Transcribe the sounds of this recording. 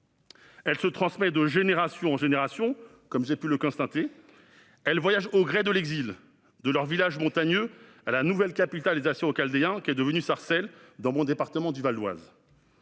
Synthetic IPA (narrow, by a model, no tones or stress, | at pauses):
ɛlsət̪χɑ̃smɛd̪əʒeneʁasjɔ̃ɑ̃ʒeneʁasjɔ̃ | kɔmʒepyləkɔ̃st̪ɑ̃t̪e | ɛlvwajaʒoɡʁɛd̪əlɛɡzil | d̪əlœʁvilaʒmɔ̃t̪aɲø | alanuvɛlkapit̪alezasjɛ̃okald̪eɛ̃kʲiɛd̪əvənysaʁsɛld̪ɑ̃mɔ̃d̪epaʁt̪əmɑ̃d̪yvald̪wa̰z